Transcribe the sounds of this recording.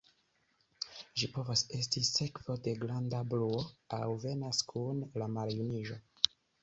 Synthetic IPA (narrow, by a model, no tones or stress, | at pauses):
ʒipo̞vase̞stise̞kv̥o̞de̞ɡlandabluoawve̞naskʰunlamaljuniʒo̞